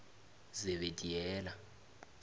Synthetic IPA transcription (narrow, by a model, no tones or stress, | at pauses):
zɛβedʼiɛːla